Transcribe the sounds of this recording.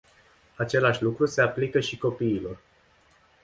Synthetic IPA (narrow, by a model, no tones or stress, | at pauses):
at͡ʃe̞laʃʲlukɾuse̞aplikəʃiko̞piːlo̞r